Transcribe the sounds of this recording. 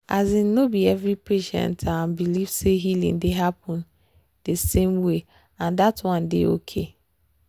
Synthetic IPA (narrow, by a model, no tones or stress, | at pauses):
azĩnnobiɛvɹipeʃɛ̰̃ntʰambiliv̥seɦilḭ̃ŋdeɦapʰɔ̃n | d̥esẽmwe | ãndatwɔ̃ndḛo̰kʰe